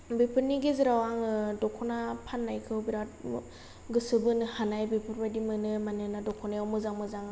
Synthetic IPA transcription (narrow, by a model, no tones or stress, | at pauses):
bipʰɯɾniɡiziɾawaŋɯdɔkʰɔnapʰanːajkʰɯwbiɾat̚ | ɡɯsɯbɯnɯhanajbipʰɯɾbajdimɯnɯmanɯnadɔkʰɔnajawmɯzaŋmɯzaŋ